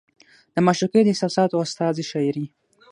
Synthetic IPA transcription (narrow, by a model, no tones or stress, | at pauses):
d̪̥əmaʃɾuked̪əɪsɑsɑt̪oast̪ɑziʃɑɾi